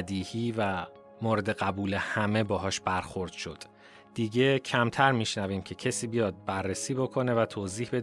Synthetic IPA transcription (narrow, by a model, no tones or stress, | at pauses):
d̪iːhiːvæ | moːɾe̞d̪e̞ɣæbuːle̞hæme̞bɒːɦɒːʃbæɾxo̞ɾd̪̥ʃo̞d̪̥ | d̪̥iːɟe̞cʰæmt̪ʰæɾmiːʃnæviːmcʰe̞cʰesiːbijɒːd̪̚bærːesiːbo̞kʰo̞ne̞væt̪ʰoːziːhbe̞